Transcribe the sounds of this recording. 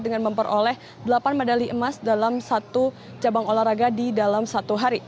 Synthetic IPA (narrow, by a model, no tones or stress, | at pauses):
dəŋanməmpəɾʔolɛh | dəlapanmadaliʔəmasdalamsat̪u | t͡ʃabaŋolaraɡadidalamsat̪uɦaɾi